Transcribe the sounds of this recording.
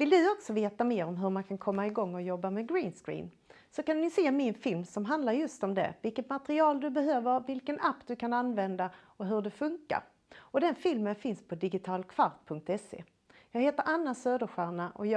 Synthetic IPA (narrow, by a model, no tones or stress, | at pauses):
vɪld̪ɵɔksɔveːt̪ameːɾɔmɦɵɾmankʰankʰɔmːaɪɡɔŋːɔjɔbːamɛɡɾiːnskɾḭːn | sɔkannɪseːmɪnfɪlmsɔmɦand̪laɾjɵst̪ɔmd̪ɛ̰vɪlkət̪mat̪ɾɪɑːld̪ɵbɛɦøːvəɾvɪlkənapːd̪ɵkʰananvɛnd̪a | ɔɦɵɖɛfɵŋka̰ɾ | ɔd̪ɛnfɪlmənfɪnspʰɔd̪ɪɡɪt̪ʰɑːlkʰv̥aɾt̪pʰɵŋk̚t̪ɛsḛː | jɑːɡheːt̪əɾʔanːasøːd̪əɧæːɳaʔɔj